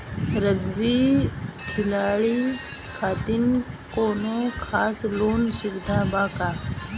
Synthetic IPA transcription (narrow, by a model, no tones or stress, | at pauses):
ɾəɡbi | kʰɪlaːɭi | kʰaːt̪inkoːnokʰaːsloːnsʊbɪd̪ʱaːbaːkaː